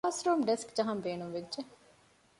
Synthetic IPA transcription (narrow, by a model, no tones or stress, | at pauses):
sɾoːmɖeskd͡ʒɐɦɐmbeːnumʋed͡ʒe